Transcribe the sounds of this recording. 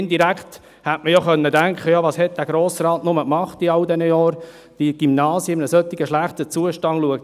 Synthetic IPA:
ndiɾækt | hætməjɔχœnːədæŋkχəjɑʋɑːshɛt̚d̥æːɡ̥ɾoːsrɑːtnʊməkmɑχtiɑwdɛnəjɔːɾ | d̥iɡ̥ymnɑːsjəmnəsœt̪ːɪɡəʃlæχtət͡suəʃtɑnluək̚

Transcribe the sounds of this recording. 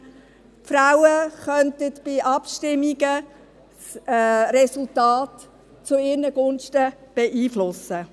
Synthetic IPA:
fɾaʊwəχœntətb̥ɪʔɑpʃtɪmːiɡə | sɾɛsʊltɑːt | t͡sʊɪːɾnəɡ̥ʊnʃtəb̥ɛʔiːflʊsə

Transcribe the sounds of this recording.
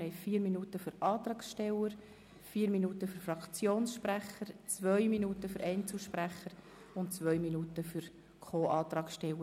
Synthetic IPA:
hɛɪfiːɾminuːtəfʏɾɑːt̪ɾɑːksʃtɛləɾ | fiːɾminuːtəfyɾfɾɑkt͡sjoːnsʃpɾæχəɾt͡svœʏminuːtəfʏɾʔɛɪnt͡sl̩ˠʃpræχəɾ | ʊntt͡sʋœʏminuːtəfyɾ | kʰoːʔɑːt̪ɾɑːksʃtɛlə

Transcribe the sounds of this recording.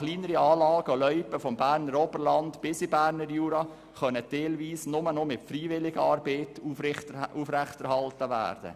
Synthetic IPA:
χliːnəɾiɑːlɑːɡ̥əolœʏpəfɔmbæːɾnəɾɔbərlɑndb̥ɪsibæːɾnəɾjuːɾɑ | χœnəd̥eːlviːsnʊmənomɪtfɾiːvɪlɪɡəɑːɾbeːtuuːfɾɛχtɛɾhɑltəʋæ̰ːɾd̥ə̰

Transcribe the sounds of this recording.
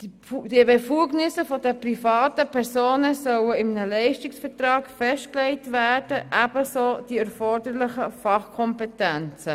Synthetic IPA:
d̥iəbefuːɡnɪsəfɔdəprifɑːtəpʰɛɾsoːnəsœwəɪmnəlɛɪʃtɪksfəɾtɾɑːkfɛstklɛɪtʋæːɾd̥əʔæb̥əsoːd̥iɛɾfɔɾdəɾlɪχəfɑχkʰɔmpɛtɛnt͡sə

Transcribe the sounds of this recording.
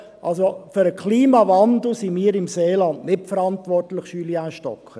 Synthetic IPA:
ʔɑlsofʏɾəkʰliːmɑvɑndl̩simiːɾɪmseːlɑndnɪtfəɾɑntʋɔrtləχʃyliaːʃtɔkʰχə

